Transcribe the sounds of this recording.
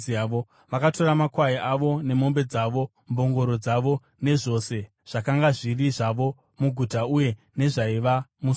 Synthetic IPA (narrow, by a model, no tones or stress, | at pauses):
aʋo | ʋakato̞ɾamakwaiʔaʋo̞ne̞mo̞mbe̞d͡zaʋo̞ | mbo̞ŋɡo̞ɾo̞d͡zaʋo̞ | ne̞ʐo̞se̞ | ʐ̥akaŋɡaʐiriʐaʋo̞ | muɡʱutauje̞ | ne̞ʐaiʋamus